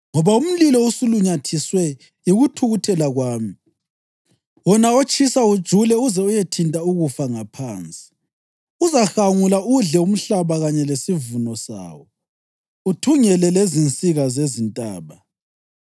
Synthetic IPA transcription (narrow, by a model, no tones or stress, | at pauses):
ŋɔβaum̩lilɔusuluɲatʰiswɛ | iɣutʰuɣutʰɛlaɣwaːmi | wɔnaot͡ʃʼisaud̥ʒ̥ʱulɛuzɛujetʰintʼauɣufaŋapʰaːnt͡sʼi̥ | uzaxaŋulauɮɛum̩ɬaβaɣaɲɛlesivunɔsa̰ːwɔ | utʰuŋɛlɛlezint͡sʼiɣazezintʼa̰ːβa